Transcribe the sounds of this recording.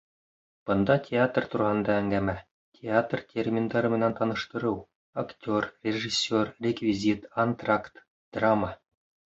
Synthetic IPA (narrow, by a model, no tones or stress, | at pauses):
b̥ɤ̆nd̪ɑtʲʰeat̪rt̪uɾɑhɤ̆nd̪ɑæŋɡæmæ | tʲʰeat̪rtʲerʲmʲind̪ɑɾɤmɘ̆nænt̪ɑnɤ̆ʃt̪ɤ̆ɾɤw | aktʲo̞rrʲeʒisʲːorrʲekvʲizʲit̪ont̪rakt̪ | d̪̥rama